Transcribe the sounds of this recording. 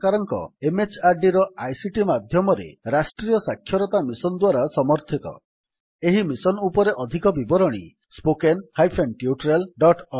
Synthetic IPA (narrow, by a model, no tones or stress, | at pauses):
kaɾɔŋkɔ̰emet͡ʃaɾɖiɾɔajsiʈimad̪ʱjɔmɔɾḛɾasʈɾijɔsakʰːjɔɾɔt̪amisɔnd̪waɾasɔmɔɾt̪ʰit̪ɔ̰ | eɦimisɔnupɔɾeʔɔd̪ʱikɔbibɔɾɔɽ̃ḭ | spokenhajpʰenʈiuʈɾelɖɔʈɔ